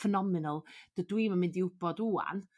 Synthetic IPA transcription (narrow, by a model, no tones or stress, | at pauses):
fənɔmɪnəlˠd̥ədwiːməmɪndiʊb̥ɔduːa̰n